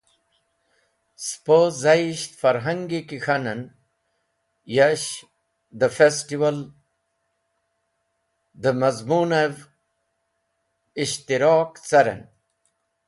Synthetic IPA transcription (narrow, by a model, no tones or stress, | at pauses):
spozaiɕt̪fɐɾɦɐŋɡikixɐnɐn | jaɕ | d̪əfesʈiwɐl | d̪əmɐzmunev | iɕt̪iɾoːkt͡sɐɾḛn